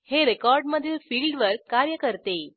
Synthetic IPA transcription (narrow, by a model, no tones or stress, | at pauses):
heɾekɔɾɖməd̪ʱjefiːlɖʋəɾkaɾjəkəɾt̪e